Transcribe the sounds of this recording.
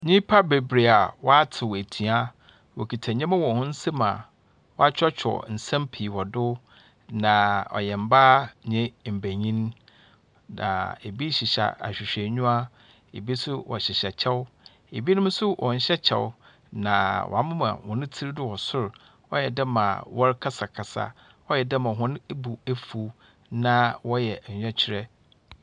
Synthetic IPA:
ɲĩ˦pʰa˦be˨bɾe˨a˨wɔ˦a˦tʰɪ˨wæ˨tʰi˨a˦ | wɔ˨kʰi˨tʰa˨ɲɛ̃˦mɪ̃˦wɔ˨hʊ̃˦n̩˦sɛ˦mã̰˨ | wɔ˦a˦t͡ɕʰᶣɔ˦t͡ɕᶣʰɔ̰˨n̩˨sã˦mpʰi˨wɔ˨dʊ˦ | nã˨ɔ̰˨jɛ˨m̩˨baː˦ɲɛ̃˦m̩˨bæ˨ɲĩ˦n˦ | nã̰˨e˨bi˦ɕɪ˨ɕa̰˨a̰˨ɕᶣɪ˨ɕᶣɛ˨ɲũ˦a˦ | e˨bi˦sʊ˦wɔ̰˨ɕɪ˨ɕɛ˨t͡ɕʰɛ˦w | e˨bi˦nʊ̃˦m˦sʊ˦wʔɔ˨ɲ̩˨ɕɛ˦t͡ɕʰɛ̰˨w | nã̰˨wʔɔ̰˨a˦mʊ̃˦mã̰˨hʊ̃˨nʊ̃˦tʰi˦ɾdʊ˦wɔ˨sʊ˦ɾ | ɔ˦jɛ˨dɛ˦mã̰˨wɔ˦ɾkʰa˦sa˨kʰa˨sa̰˨ | ɔ˦jɛ˨dɛ˦mã˨ɦʊ̃˦n˦bu˨æ˦fu˨˦ | nã˦wɔ˦jɛ˨ɛ̃˦t͡ɕʰɪ˦ɾɛ˦

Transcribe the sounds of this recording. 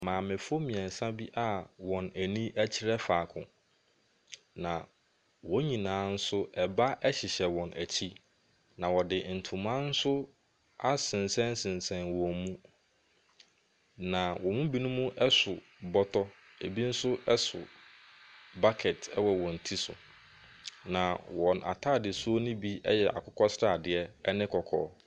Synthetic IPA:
mãː˨mɪ̃˨fo˦mĩ˨ɛ̃˨n̩˨sã˦bi˦ʔa˦wɔ̃˨næ˨nĩ˦ʔæ˦t͡ɕʰɪ˦ɾɛ˦faː˨kʰʊ̰̃˨ | nã˨ | wɔ̃˦ɲĩ˨nãː˨˦n̩˦sʊ˦ɛ˨ba˦ʔɛ˦ɕɪ˨ɕɛ˨wɔ̃˨næ˨t͡ɕʰi˦ | nã˨wɔ˨dɪ˨n̩˨tʰũ˨mã˦n̩˦sʊ˦ | a˨sɪ̃˨n˨sɛ̃˦n˦sɪ̃˨nsɛ̃˨nwɔ̃˨mũ˦ | nã˨wɔ̃˨mũ˦bi˦nũ˦mũ˦ʔɛ˦sʊ˨ | bɔ˦tʰɔ˦ | e˨bi˦n̩˦sʊ˦ʔɛ˦sʊ̰˨ | ba˦kʰɛ˨tʰɛ˦wɔ˨wɔ̃˨n̩˨tʰi˦sʊ̰˨ | nã˨wɔ̃˨nʔa̰˨tʰaː˦˨dɪ˨su˦o˦nĩ˦bi˦ɛ̰˦jɛ˨ʔa̰˨kʰʊ˦kʰɔ˦sɾa˨dɪ˨ɛ˦ɛ˦nɪ̃˦kʰɔ˨kʰɔ̰ː˦

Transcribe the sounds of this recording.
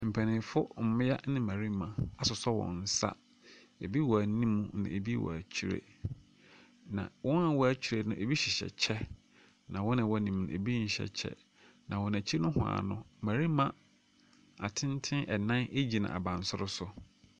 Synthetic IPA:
m̩˨pʰæ˨nɪ̃˨˦fʊ˦m̩˨mɪ̃˦ja˦nɪ̃˦mæ̃˨ɾi˦mã˨a˨sʊ˨sɔ˦wɔ̰̃˨n̩˨sa̰˦ | e˨bi˦wɔ˨æ˨˦nĩ˦mũ˨nã̰˨e˨bi˦wɔ̰˨æ˨t͡ɕʰi˦˨ɾḛ˨ | nã̰˨wɔ̃˦nã˨wɔ˨æ˨t͡ɕʰu˨ɾe˨nʊ̃˦˨ʔe˨bi˦ɕɪ˨ɕɛ̰˨t͡ɕʰɛ˦ | nã˨wɔ̃˦nã˨wɔ˦nĩ˨mnʊ̃˨e˨bi˦ɲ̩˨ɕɛ̰˨t͡ɕʰɛ̰˦ | nʔã˨wɔ̃˨n˨æ̃˨t͡ɕʰi˦e˦nʊ̃˦hʊ˨a̰˨nʊ̃˦mæ̃˨ɾi˦mã˨ | a̰˨tʰɪ̃˦n˦tʰɪ̃˦ʔɛ˨nã˦ne˦d͡ʑi˨nã̰˨a̰˨bã˨n̩˨sʊ˦ɾʊ˦sʊ˨

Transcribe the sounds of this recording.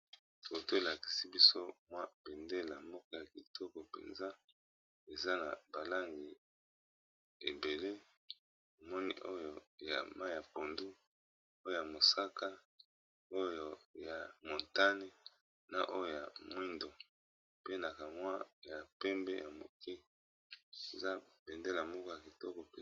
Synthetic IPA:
to˨to˦e˨la˨ki̥˨si˦bi˦so˦mwa˦be˨nde˦la˨mbɔ˦kɔ˦ja˨ki˨tʰɔ˦kɔ˨pḛ˨nza˦ | e˨za˦na˨ba˨la˦ŋɡi˨ | e˨be˨le˦ | o˨mɔ˦nḭ˦ʔo˦jo˨ja̰˨ma˦ja˨po˨ndu˦ | o˦jo˦˨ja˨mo˨sa˦ka˦ | o˦jo˨ja˨mo˨nta˦ni˦ | na˨ʔo˦jo˨ja˨mwi˦ndo˨ | pe˦na˨ka˨mwa˦ja˨pɛ˦mbɛ̰˦jʔa˨mo̰˨ki˦ | e˨za˦bɛ˨nde˦la˨mɔ˦kɔ˦ja˨ki˨tɔ˦kɔ˨p

